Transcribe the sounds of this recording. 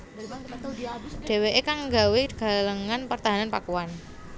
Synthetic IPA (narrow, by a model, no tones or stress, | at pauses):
ɖ̥e̤weʔekaŋɡa̤weɡ̥a̤ləŋanpərt̪aɦananpakuan